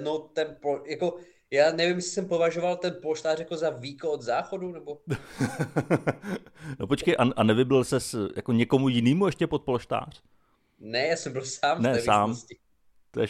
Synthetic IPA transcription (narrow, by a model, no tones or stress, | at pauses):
not̪ɛnpojako̞ | jaːnɛvɪmjɛsɪ̥sɛmpo̞vaʒovalt̪ɛnploʃt̪aːrjako̞zaviːkood̪zaːxodunɛbo̞ | nopot͡ʃkejʔaʔanɛvɪblɪlsɛsja̰koɲɛko̞mujɪniːmuɛʃcɛpot̪̚ploʃt̪a̰ːr̝̥ | nɛjaːsɛmbɪlsaːmnɛɛsaːmscɪ | t̪oɛ